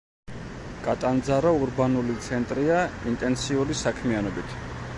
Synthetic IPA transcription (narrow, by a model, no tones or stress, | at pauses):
kʼat̪ʼand̪zaɾauɾbanulit̪sʰɛnt̪ʼɾiaint̪ʼɛnt̪siuɾisakʰmianɔbit̪ʰ